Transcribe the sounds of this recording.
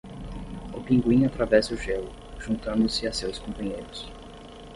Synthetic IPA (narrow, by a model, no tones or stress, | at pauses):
ʊpĩŋɡwĩɲat̪ɾavɛsʊʒelʊ | ʒ̥ũnt̪ɐ̃nd̪ʊsɪasewskõpɐ̃ɲejɾʊs